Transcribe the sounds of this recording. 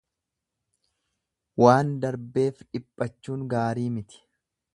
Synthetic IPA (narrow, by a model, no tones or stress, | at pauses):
waːnd̪ɐɾbe̞ːfᶑɪpʼːɐt͡ʃːuːŋɡaːɾiːmɪt̪ɪ̥